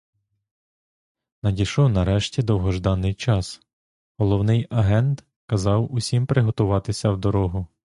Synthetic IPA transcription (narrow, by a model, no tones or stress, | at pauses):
nɐdʲiʃɔwnɐɾɛʃtʲid̪ɔwɦɔʒd̪ɑnːɪjt͡ʃɑs | ɦɔlˠɔwnɪjɐɦɛnt̪ | kɐzɑwʊsʲimpɾɪɦɔt̪ʊʋɑt̪ɪsʲɐwd̪ɔɾɔɦʊ